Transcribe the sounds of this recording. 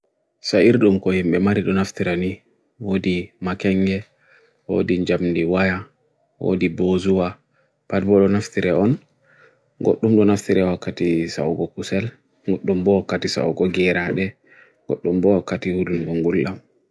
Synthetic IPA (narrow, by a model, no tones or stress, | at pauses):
saiɾɗumkɔhimɓɛmaɾiɗɔnaftiɾani | wodimakɛŋɡɛ | wo̰diɲd͡ʒamndiwaja | wo̰dibozuwa | padbɔɗɔnaftiɾɛɔn | ɡoɗːumɗɔnaftiɾɛwakːatisa̰uɡɔkusɛl | ɡoɗːumbɔwakːatisa̰wuɡɔɡɛɾaɗɛ | ɡo̰ɗːumbɔwakːatihudumɡɔŋɡulːam